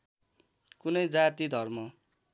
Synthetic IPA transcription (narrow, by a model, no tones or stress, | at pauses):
kunʌjd͡zat̪id̪ʱʌrmʌ